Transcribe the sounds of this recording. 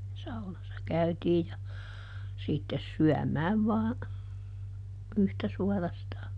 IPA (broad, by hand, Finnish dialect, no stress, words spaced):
sɑunɑsːɑ kæytiːj jɑ sitːes syæmæːʋ ʋɑː yhtæ suɑrɑstɑː